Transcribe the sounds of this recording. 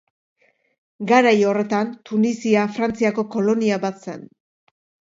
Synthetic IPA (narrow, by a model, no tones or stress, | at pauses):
ɡaɾajo̞re̞t̪ant̪unisiafɾant͡siako̞ko̞lo̞niaβat̪se̞̰n